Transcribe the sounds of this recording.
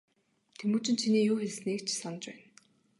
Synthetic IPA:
t̪ʰemuːt͡ɕʰɪ̆nt͡ɕʰiniːjuːxeɮ̆sniːkt͡ɕʰsanə̆t͡ɕpæːn

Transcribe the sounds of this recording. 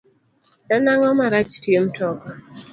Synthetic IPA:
nanaŋɔmaɾat͡ʃtjem̩tɔkɔ

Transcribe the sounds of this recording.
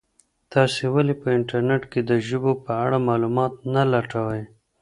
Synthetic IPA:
t̪ɑsewalepəɪɳʈaɾneʈked̪əʒəbopəaɽamɑlumɑt̪nalaʈawəj

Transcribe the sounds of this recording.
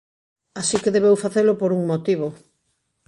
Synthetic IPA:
asikeðeβewfaθelʊpoɾuŋmot̪iβ̞o

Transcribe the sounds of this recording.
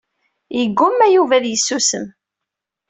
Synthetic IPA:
jəɡʷːʊmːæjuvæðjəsːusəm

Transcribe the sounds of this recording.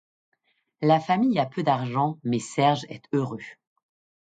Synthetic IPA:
lafamijapød̪aʁʒɑ̃mɛsɛʁʒɛ̰t̪øʁø

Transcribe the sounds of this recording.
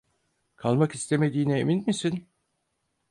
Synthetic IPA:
kʰalˠmakist̪ʰe̞me̞d̪iːnɛeminmisin

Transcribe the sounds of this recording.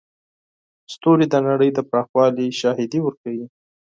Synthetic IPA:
st̪oɾid̪ənaɽəjd̪əpɾɑxwɑliʃɑɦɪd̪iwəɾkawi

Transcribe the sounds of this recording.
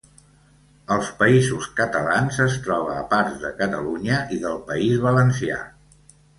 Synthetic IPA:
əlˠspəizuskət̪əlanzəst̪ɾɔβ̞əːpaɾzðəkət̪əluɲəʔiðəlˠpəizβələnsia̰

